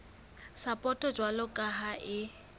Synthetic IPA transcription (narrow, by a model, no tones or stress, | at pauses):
sapʼɔtʼɔd͡ʒwalʊkʼaɦaʔɪ